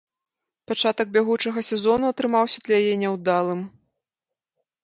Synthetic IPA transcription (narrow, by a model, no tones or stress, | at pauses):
pat͡ʂat̪ɐɡ̚bʲaɣut͡ʂɐɣɐsʲɛzɔnuɐt̪ɾɨmawsʲɐd̪lʲɛjajɛnʲɛwd̪alˠɨm